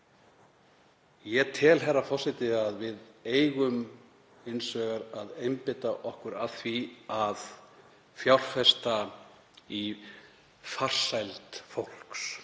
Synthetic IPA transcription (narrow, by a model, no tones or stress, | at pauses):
jɛt̪ʰɛːlɦɛrːafɔr̥sɪt̪ɪaðvɪðeːjɣʏm | ɪnsvœːɣaɾaðejmpɪt̪aʔɔhkʏɾaθviað | fjawr̥fɛst̪a | i | far̥sajlt̪fowl̥ks